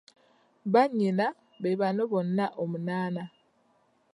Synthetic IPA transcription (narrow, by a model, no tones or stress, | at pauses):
βaɲina | βeβanoβɔnːaʔomunaːna